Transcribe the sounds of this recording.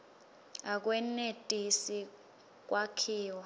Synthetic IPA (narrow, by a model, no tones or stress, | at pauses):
ak̬ʼwɛnetʼisi | k̬ʼwakʰiːwa